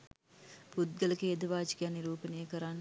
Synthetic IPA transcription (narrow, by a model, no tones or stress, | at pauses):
pud̪̚ɡələkeːd̪ɐʋaːd͡ʒi̥kaniɾuːpənejəkəɾanː